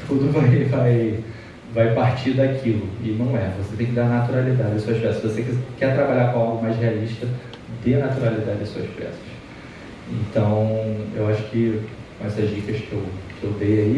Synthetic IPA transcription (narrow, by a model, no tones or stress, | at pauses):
t̪ud̪ʊvajvaj | vajpaɾt͡ʃid̪akʰilʊɪnɐ̃w̃ɛvose̥t̪ẽj̃k̬ɪd̪anat̪uɾalid̪ad͡ʒɪd̪ɐsuɐʃpɛsɐsvosekkɛt̪ɾabaʎakõawɡʊmajsɦealiʃt̪ɐ | d̪ɪnat̪uɾalid̪ad͡ʒɪɐsuɐʃpɛ̰sɐ̥ʃ | ẽnt̪ɐ̃w̃ewaʃʊ̥kɪ | kõɛsɐzd͡ʒikɐskewkewd̪ejai